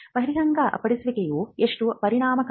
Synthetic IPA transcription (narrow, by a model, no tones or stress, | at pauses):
pɐɦiɾiɡɐŋɡɐʔɐ̰pɐɽisʋikejuːeʂʈupɐɾiɳ̃aːmɐk